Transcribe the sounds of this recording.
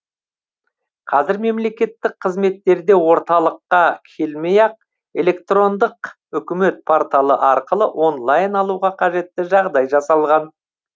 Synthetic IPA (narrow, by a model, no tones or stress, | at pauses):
qʰɑzɪɾme̞mle̞kʲe̞t̪ːɪk̚qʰəzme̞t̪ːe̞ɾd̪e̞wo̞ɾt̪ɑlˠəqːɑkʲʰe̞lmejɑq̚ | e̞le̞k̚t̪ro̞nd̪əq | ʏkʲɪme̞t̪̚pʰoɾt̪alˠəʔɑɾqəlˠəʔo̞nlˠajnɑlˠuʁɑqʰɑʒe̞t̪ːɪʒɑʁd̪ɑjʒɑsɑlˠʁɑn